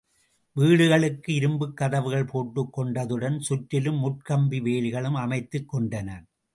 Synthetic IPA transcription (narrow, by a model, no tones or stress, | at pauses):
ʋiːɽɯɣɐɭɯkːɯɪɾɯmbɯkːɐðɐʋɯɣɐɭpoːʈːɯkːɔɳɖɐðɯɽɐnsʊʈːɪlɯmːʊʈ̚kɐmbiʋeːlɪɣɐɭɯmɐmɐɪt̪ːɯkːɔɳɖɐnɐɾ